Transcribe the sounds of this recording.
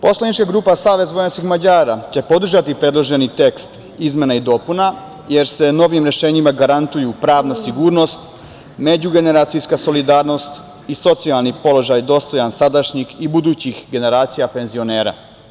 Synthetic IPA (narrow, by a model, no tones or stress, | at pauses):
po̞slanit͡ʃkaɡɾuːpasaːʋe̞zʋo̞janskixmad͡ʑaːɾat͡ɕe̞po̞d̪r̩ʒat̪ipɾe̞d̪lˠo̞ʒe̞nit̪e̞kst̪ | izme̞naid̪oːpuna | je̞ɾse̞no̞ʋimɾe̞ʃe̞ːɲimaɡaɾant̪ujupɾaːʋnasiɡuːɾno̞st̪ | me̞d͡ʑuɡe̞ne̞ɾaːt̪sijskaso̞lid̪aːɾno̞st̪ | iso̞t̪sialˠnipo̞lo̞ʒajd̪o̞st̪o̞jansad̪aʃɲixibud̪uːt͡ɕixɡe̞ne̞ɾaːt̪sijape̞nzio̞ne̞ːɾa̰